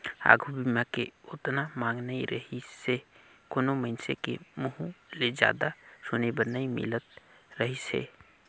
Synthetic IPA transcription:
a̰ːɡʱubimakeʊt̪namãːŋɡnaiɾəɦise | konoməɪnsekḛmʊɦũled͡ʒa̰ːd̪asʊːnebəɾnəimɪ̰lət̪ | ɾəɦisḛ

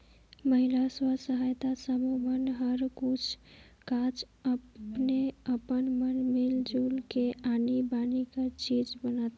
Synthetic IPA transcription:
məɦilaswəsəɦajt̪asəmumənɦəɾkut͡ʃʰ | kat͡ʃ | əneəpənmənmild͡ʒulkeʔanibanikəɾt͡ʃid͡ʒbənat̪

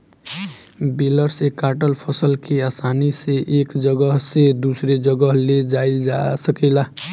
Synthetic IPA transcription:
biləɾsekaʈəlpʰəsəlkeasaniseʔekd͡ʒəɡəɦsed̪usɾed͡ʒəɡəɦled͡ʒaild͡ʒasəkɛla

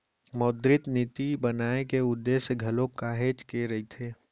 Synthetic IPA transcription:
moːd̪ɾɪt̪nit̪ibənaːekeʊd̪ːeːsɡʱɐlokaːɦeːd͡ʒkeɾɐit̪ʰeː

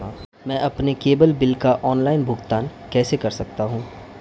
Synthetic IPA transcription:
a | mɛ̃ʔɐpnekeːbəlbɪlkaʔɔːnlaːɪnbʱʊɡt̪aːn | kɛːsekɐɾsɐk̚t̪aɦũː

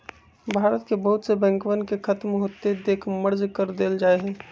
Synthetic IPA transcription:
bʱaːɾət̪kebəɦʊt̪sebɛ̃ːŋkʋənkekʰɐt̪mɦoːt̪ed̪eːkʰməɾd͡ʒkəɾd̪eːld͡ʒaːeɦɛː

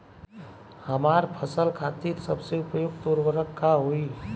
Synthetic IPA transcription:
həmaːɾpʰəsəlkʰaːt̪iːɾsəbseʊpəjoɡt̪oːɾʋəɾəkːaɦoi

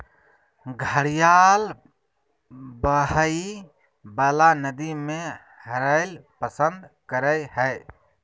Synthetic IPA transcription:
ɡʱəɽijal | bəɦəi | bəlanəd̪ime | həɾəɪlpəsənd̪kəɾəjhəɪ

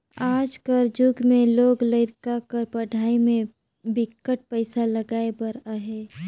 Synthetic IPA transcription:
aːd͡ʒkəɾd͡ʒʊɡmẽloːɡləɪɾkakəɾpəɖʱaːimẽ | bɪkːəʈ̚pəɪsaləɡaːebəɾaɦeː

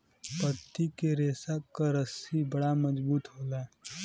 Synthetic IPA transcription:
pət̪ːikeɾeːsakaɾəsibəɽamɐd͡ʒbuːt̪ɦoːlaɛ

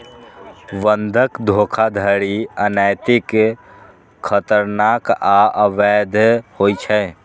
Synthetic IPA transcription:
ʋənd̪ʱəkd̪ʱoːkʰad̪ʱəɾiənajt̪ɪk | kʰːət̪əɾnakaʔəʋɛd̪ʱhoit͡ʃʰɛ

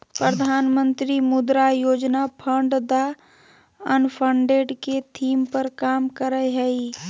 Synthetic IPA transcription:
pɾəd̪ʱaːnmə̃nt̪ɾimʊd̪ɾajoːd͡ʒnapʰə̃ɳɖd̪a | ənpʰə̃ɳɖeːɖket̪ʰiːmpəɾkaːmkəɾəɦɛi

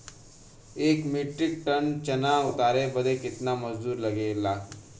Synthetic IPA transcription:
eːkmiʈɾɪk̚ʈənt͡ʃɐnaʊt̪aːɾebəd̪ekɪt̪namɐd͡ʒd̪uːɾlɐɡeːlaː

